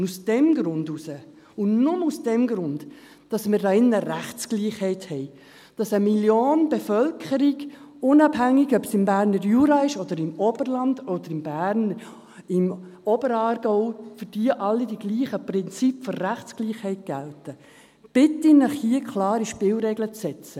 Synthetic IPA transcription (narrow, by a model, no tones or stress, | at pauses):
usd̥ɛmɡɾʊndusə | ʊnnʊmusd̥ɛmɡɾʊnd | d̥ɑsmɪɾdɑɪnːəɾæχt͡skliːχhɛɪthɛɪ | d̥ɑsəmiljoːnb̥efœlkʰχəɾiɡ | ʊnɑbɦæŋːiɡœbsɪmbæːɾnəɾjuːɾɑɪʃɔd̥̪əɾɪmɔbərlɑnd̥̪ɔd̥̪əɾɪmbæːɾn | ɪmɔbəɾɑːrɡ̥ɔʊfʏɾd̥iːəʔɑlːidiɡliːχəprɪnt͡sipfɔrːæχt͡skliːχhɛɪt̚ɡ̥æltə | b̥ɪtinəχhiəkʰlɑːɾiʃpɪlɾɛɡlət͡sːɛt͡sə